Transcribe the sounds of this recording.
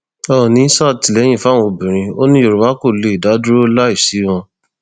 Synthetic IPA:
ɔ˦˨nĩ˨˦sa˦˨ti˨lɛ˨˦j̃ĩ˦˨fã˦ɔ̃˧˨bĩ˨ɾ̃ĩ˧o˦nĩ˦o˧˨ɾu˨ma˦ko˦˨le˨˧i˨da˨˦dɾo˦la˦i˨fsi˨˦w̃ɔ̃˧

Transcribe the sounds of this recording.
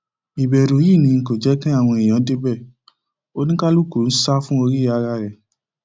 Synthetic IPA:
i˨bɛ˨ɾu˨ji˦˨nĩ˧ŋ̩˨ko˨d͡ʒɛ˨˦kĩ˦a˦˨w̃ɔ̃˧i˨j̃ã˨˦de˦bɛ˦˨ | o˦nĩ˦ka˦lu˦ko˦˨n̩˦sa˦fũ˦o˧ɾi˦a˧ɾa˧ɾɛ˨

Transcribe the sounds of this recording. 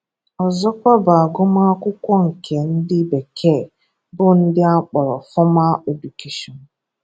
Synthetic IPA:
ɔ˨zɔ˦kʷa˦ba˨a˨ɡʊ˦ma˦kʷʊ˦kʷɔ˦ŋ̩˨kʰe˨n̩˦dɪ˦be˨kʰe˦˨ | bʊ˦n̩˦dɪ˦a˦k͡pɔ˨ɾɔ˨fɔ˦ma˦o˨du˨ki˦ʃɔ˨n˨

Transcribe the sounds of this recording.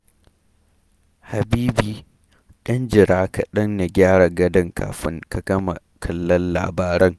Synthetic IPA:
ha˨biː˦biː˨ | ɗɐ˦nd͡ʒɪ˨ɾaː˦ka˨ɗɐ˦nna˨ɡʲaː˦ɽa˨ɡɐ˦dɐ˦ŋkʰa̰ː˨ɸɪ˦ŋkɐ˨kɐ˦mɐ̰˨ | kʰɐ˨lːɐ˦nːa̰ː˨baː˦ɾɪ˦ŋ

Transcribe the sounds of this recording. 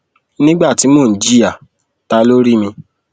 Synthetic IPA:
nĩ˦ɡ͡ba˦˨ti˨˦mo˦˨d͡ʒi˦ja˨ | ta˧˦lo˦ɾi˦mĩ˧

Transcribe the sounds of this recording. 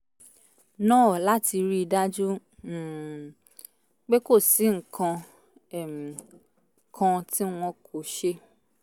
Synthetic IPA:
nãː˦˨la˦ti˧ɾi˦i˧da˦d͡ʒu˦˨ | k͡pe˦ko˦˨si˨˦ŋ̩˨kʰã˧ | ɛ˨mĩ˨ | kʰã˧ti˦w̃ɔ̃˧kʰo˨ʃe˧

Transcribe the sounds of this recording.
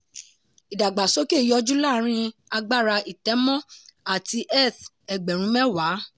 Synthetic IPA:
i˨da˨ɡ͡ba˨so˦ke˦˨jɔ˧d͡ʒu˦la˦˨˦ɾ̃ĩ˧a˧ɡ͡ba˦˨ɾa˧i˨tɛ˨˦mɔ̃˦a˨ti˧ʔɛ˦˨t | ɛ˨ɡ͡bɛ˨ɾ̃ũ˨˦mɛ̃˦wa˨˦

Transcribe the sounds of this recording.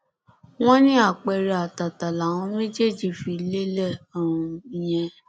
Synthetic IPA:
w̃ɔ̃˦nĩ˦a˦˨k͡pɛ˧ɾɛ˧a˨ta˨ta˨la˨w̃ɔ̃˧˦mẽ˦d͡ʒe˦˨d͡ʒi˨fi˧˦le˦lɛ˦˨ɔ˦˨ɾ̃ũũ˧i˧jɛ̃˧

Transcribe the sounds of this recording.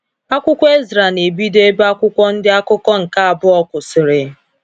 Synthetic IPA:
a˦kʷʊ˦kʷɔ˦e˦zɪ˨ɾa˨ne˨bi˦de˦ba˦kʷʊ˦kʷɔ˦n̩˦dɪ˦a˦kʊ˦kɔ˦ŋ̩˨ka˦a˨bʊ˦ɔ˦kʷʊ˨sɪ˨ɾɪ˨

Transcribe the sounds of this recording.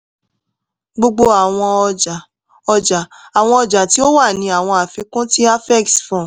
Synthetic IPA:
ɡ͡bo˧ɡ͡bo˧a˨w̃ɔ̃˧d͡ʒa˨ | ɔ˧d͡ʒa˨a˨w̃ɔ̃˧ɔ˧d͡ʒa˨ti˨˦o˦wa˦˨nĩ˧˦a˨w̃ɔ̃˧a˨fi˨˧˦kõ˦ti˦a˦fɛ˦˨ksfɔ̃˦˨

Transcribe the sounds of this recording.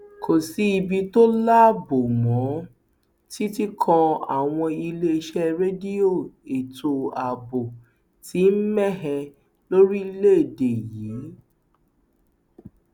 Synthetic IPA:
kʰo˨si˨˦i˧bi˧to˦la˦˨bo˨mɔ̃˨˦ | ti˦ti˦kʰɔ̃˧a̰˦˨w̃ɔ̃˧i˧le˦˧ʃɛ˦ɾe˦di˦o˦˨e˨tʰo˧a˨bo˨ | ti˨˦n̩˦mɛ˦˨ɦɛ˧ | lo˦ɾi˦i˧le˦e˦˨de˨jiː˨˦

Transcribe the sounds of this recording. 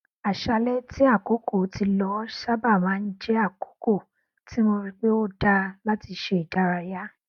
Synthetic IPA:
a˨ʃa˧lɛ˦tʰi˦a˦˨ko˦ko˦˨˦ti˧lɔ˦ʃa˦ba˦˨mãː˨˦n̩˦d͡ʒɛ˦a˦˨ko̥˨˦ko˦˨ | ti˦mo˧ɾi˧k͡pe˦o˦da˧la˦ti˧ʃe˧i˨da˨˦ɾa˧ja˦

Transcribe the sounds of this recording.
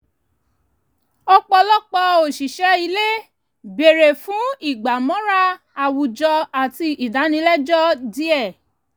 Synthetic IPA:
ɔ˧k͡pɔ˧lɔ˦k͡pɔ˧o˨ʃi˨ʃɛ˨˦i˧le˦ | be˨ɾe˨fũ˨˦i˦˨ɡ͡ba˨mɔ̃˨˦ɾa˦ | a˨wu˨d͡ʒɔ˧a˨ti˧ʔi˨da˨˦nĩ˧˦lɛ˦d͡ʒɔ˦di˨˦ɛ˦˨

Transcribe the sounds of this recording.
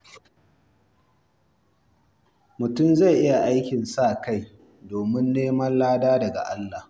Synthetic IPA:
mʊ˨tʊ˦˨mza˦˨jʔɪ˦ja˨ʔa˦jkʲɪ˨nsaː˦˨ka˦˨j | doː˨mɪ˦nːeː˦mɐ˦nlaː˦daː˦dɐ˨ɡa̰˨ʔa˦lːa˨h

